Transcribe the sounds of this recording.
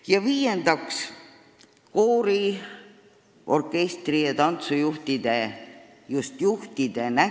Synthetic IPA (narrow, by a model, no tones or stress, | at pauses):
jɑviːjend̪ɑks | koːɾi | ʔo̞̰rkːˑe̞st̪rijɑt̪ɑnt̪sujuht̪id̪̥e | just̪juht̪id̪̥e̞næ